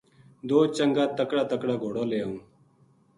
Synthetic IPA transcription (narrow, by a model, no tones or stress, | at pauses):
d̪oːt͡ʃəŋɡaːt̪əkɽaːt̪əkɽaːɡʱoːɽaːleːũː